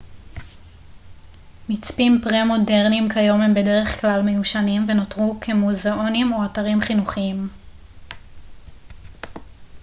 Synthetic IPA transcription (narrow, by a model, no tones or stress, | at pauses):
mit͡spimpʁemo̞de̞ʁnimkajo̞mhembe̞de̞ʁe̞χklalmejuʃanimve̞notʁukʰe̞muzeo̞nimoataʁimχinuχiim